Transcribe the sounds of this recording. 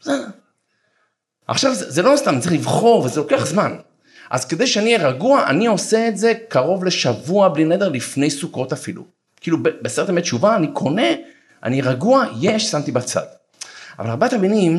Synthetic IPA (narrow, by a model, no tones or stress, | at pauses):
ze | a̰χʃavzezelo̞st̪amtt͡seχlivχo̞ʁvezelo̞keaχzman | ʔa̰zked̪ejʃeanieʁaɡuaʔa̰nio̞se̞ːtze̞kaʁo̞vle̞ʃavuablined̪eʁlifne̞jsuko̞tafilṵ | kiilubebeseʁt̪emet͡ʃuvaːnikʰo̞ne̞ | ʔa̰niʁaɡuaje̞ʃsamt̪ibat͡sa̰d̥ | avalaʁbeat̪aminim